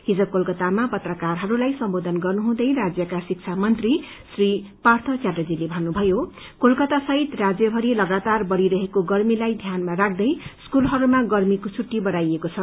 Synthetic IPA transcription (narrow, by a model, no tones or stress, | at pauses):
ɦid͡zʌkolkʌt̪amapʌt̪rʌkarɦʌɾulajsʌmbod̪ʱʌnɡʌrnuɦũd̪ʌjɾad͡zjʌkasik̚t͡sʰamʌnt̪ri | sripart̪ʰʌt͡sjaʈʌd͡zilebʱʌnːubʱʌjo | kolkʌt̪asʌɦit̪rad͡zjʌbʱʌɾilʌɡat̪arbʌɽiɾʌɦekoɡʌrmilajd̪ʱjanmaɾak̚ʰd̪ʌjskulɦʌɾumaɡʌrmikot͡sʰuʈːibʌɽajekot͡sʰʌ